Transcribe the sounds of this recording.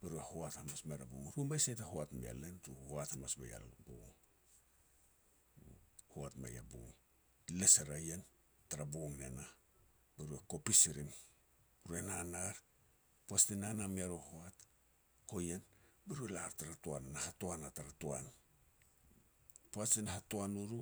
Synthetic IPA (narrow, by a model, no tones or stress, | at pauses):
beɾuehoathamasmeɾabuŋɾumbajsajtahoatmḭa̰lentuhoathamasma̰ja̰lbo̰ŋ | hoatma̰ja̰bṵŋ | leseɾajen | taɾaboŋnena | beɾueko̞pisiɾim | ɾuenanaɾ | poastinanamiaɾohoat | ko̞jenbeɾuelaɾtaɾatoanːahatoanataɾatoan | poasinaɦatoanuɾu